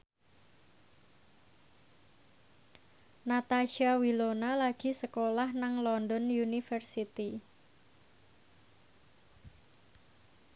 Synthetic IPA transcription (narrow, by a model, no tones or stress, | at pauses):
nat̪aʃiawilonalaɡ̥i̤səkolahnaŋlɔndɔnjunifərsit̪i